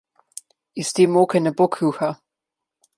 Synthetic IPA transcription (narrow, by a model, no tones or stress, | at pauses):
ist̪eːmoːkɛnɛbokʰɾuːxa